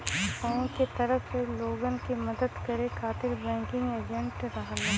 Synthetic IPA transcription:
fɔ̃ket̪ɐɾəfseloːɡənkimɐd̪əd̪kɐɾekʰaːt̪ɪɾbɛ̃ːŋkɪ̃ŋɡeːd͡ʒə̃ɳʈɾɐɦlː

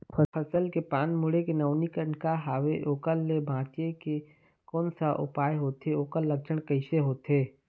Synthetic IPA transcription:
pʰəpʰəsəlkepaːnmʊɽekenəːʊnikənkaɦaːʋeʔoːkəlːebʱãːt͡ʃeke | kɔːnsaʔʊ̰paːeɦoːt̪ɦeoːkəlːək̚t͡ʃʰəɽ̃kəɪseɦoːt̪ɦeː

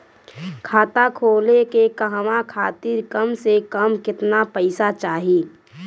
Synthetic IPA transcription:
kʰaːt̪akʰoːlekekəɦʋakʰaːt̪iɾkəmsekəmkɪt̪napəɪsat͡ʃaːɦiː

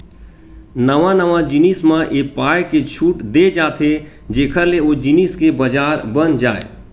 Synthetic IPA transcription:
nəʋãnəʋãd͡ʒɪnismãʔeːpaːjket͡ʃʰuːʈd̪ed͡ʒaːt̪ʰe | d͡ʒeːkʰəɾleod͡ʒɪniːskebəd͡ʒaːɾbənd͡ʒaːḛ

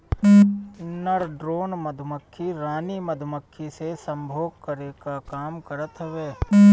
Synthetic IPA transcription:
nəɾɖɾoːnməd̪ʱməkʰːiɾaːniməd̪ʱməkʰːisesə̃mbʱoːɡkəɾeːkakaːmkəɾət̪ɦəʋeː

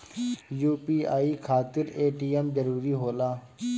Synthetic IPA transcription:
juːpiːaːiːkʰaːt̪ɪɾeːʈiːɛmzəɾuːɾiːɦoːlaː

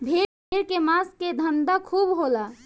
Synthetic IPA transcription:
bʱe | ɾkemasked̪ʱənd̪akʰuːbɦola

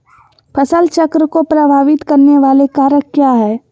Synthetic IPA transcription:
pʰɐsəlt͡ʃɐkɾəkopɾəbʱaːʋɪt̪kɐɾneʋaːlekaːɾəkkjaːɦɛː

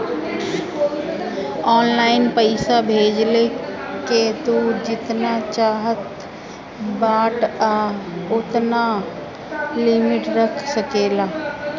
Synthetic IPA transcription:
ɔːnlaːɪnpəɪsabʱeːd͡ʒleket̪ud͡ʒɪt̪nat͡ʃaːɦət̪ | baːʈaʊt̪na | lɪmɪʈɾəkʰsəkeːlaː

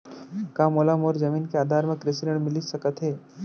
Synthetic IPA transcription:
kaːmoːlamoːɾzɐmiːnkeaːd̪ʱaːɾmẽkɾɪsɪəɽmɪlisɐkət̪ɦeː

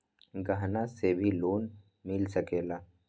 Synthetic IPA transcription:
ɡaɦnasebʱiloːn | mɪlsəkeːlaː

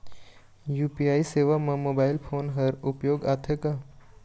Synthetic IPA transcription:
juːpiaːiseːʋamɐ̃moːbaːɪlpʰoːnɦɐɾʊpjoːɡaːt̪ʰeka

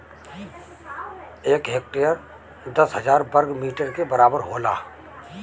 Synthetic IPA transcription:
eːkɦeːk̚ʈijəɾ | d̪ɐsɦəzaːɾbəɾɡmiːʈəɾkebɐɾaːbəɾɦoːla̰ː

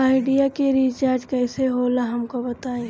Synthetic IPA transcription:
aːɪɖijakeɾit͡ʃaːɾd͡ʒkɛːseɦoːlaɦɐmkobɐt̪aːẽ

